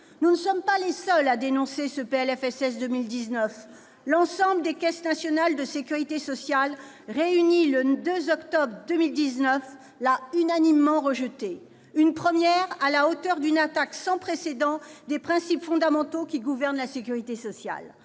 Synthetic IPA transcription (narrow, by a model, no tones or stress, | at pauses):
nunəsɔmpalesœlad̪enɔ̃sesəpeɛlɛfɛsɛsd̪əmild̪iznəf | lɑ̃sɑ̃bləd̪ekʲɛsnasjɔnald̪əsekʲyʁit̪esɔsjal | ʁeyniləd̪øzɔkt̪ɔbʁd̪əmild̪iznəf | laynanimːɑ̃ʁəʒət̪e | ynpχəmjɛʁalaot̪œʁd̪ynat̪aksɑ̃pχesed̪ɑ̃d̪epχɛ̃sipfɔ̃d̪amɑ̃t̪okʲiɡuvɛʁnlasekʲyʁit̪esɔsja̰l